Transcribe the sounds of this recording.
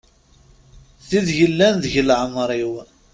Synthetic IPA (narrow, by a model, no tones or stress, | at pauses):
θiðʝəlːænðʝəlʕəmɾˤiw